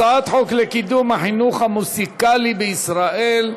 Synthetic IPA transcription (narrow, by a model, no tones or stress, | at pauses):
aat̪ħoklekid̪umhaħinuχamusikalibeisɾaʔel